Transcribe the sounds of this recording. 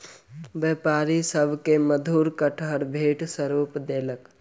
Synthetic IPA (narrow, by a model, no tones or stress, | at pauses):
bjəpaːɾisəbʱkeməd̪ʱuːɾkəʈʰəɾbʱeːʈsəɾuːpd̪eːlək